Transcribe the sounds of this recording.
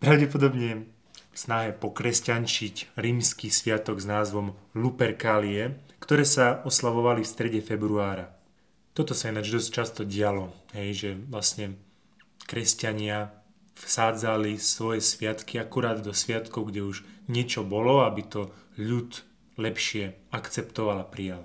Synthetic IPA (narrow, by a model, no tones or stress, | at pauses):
pɾaʊɟɛpɔd̪ɔbɲɛ | fsnaɦɛpɔkɾɛscant͡ʃicɾiːmskisʋɪat̪ɔɡznaːzʋɔmlupɛɾkaːliɛkt̪ɔɾɛːsaɔslaʋɔʋalifst̪ɾɛɟɛfɛbɾuaːɾa | t̪ɔt̪ɔsaɛnad͡ʒd̪ɔsct͡ʃast̪ɔɟɪalɔɦɛjʒɛʋlasɲɛ | kɾɛscaɲɪa | fsaːd͡zalisʋɔjɛsʋɪat̪kiakuɾaːd̪ːɔsʋɪat̪kɔʊɡɟɛuʒɲɪɛt͡ʃɔbɔlɔabit̪ɔʎut̪ | lɛpʃɪɛakt͡sɛpt̪ɔʋalapɾijal